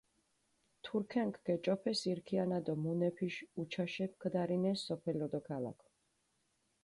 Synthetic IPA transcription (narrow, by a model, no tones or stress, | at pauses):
t̪ʰuɾkʰɛŋkʰɡ̥ɛt͡ʃʼɔpʰɛsiɾkʰianad̪ɔmunɛpʰiʃut͡ʃʰaʃɛp̚ʰkʰd̪aɾinɛsɔpʰɛlɔd̪ɔkʰala̰kʰ